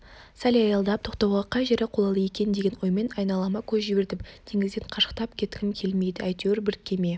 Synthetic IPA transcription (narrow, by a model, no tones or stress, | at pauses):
sælɑjɑlˠd̪ɑp̚t̪ʰo̞qt̪ɑwʁɑqʰɑjʒeɾeqʰo̞lˠɑlˠəje̞kʲe̞nd̪e̞ɡʲenwo̞jme̞nɑjnɑlˠɑmɑkʲʰɵzʒɪbe̞ɾd̪ɪpd̪ʰeŋɪzd̪enqʰɑʃə̥qt̪ɑpkʲʰe̞t̪kʲʰɪmkʲʰe̞lme̞jd̪ɪæjt̪ewɾbɪɾkʲʰːe̞me̞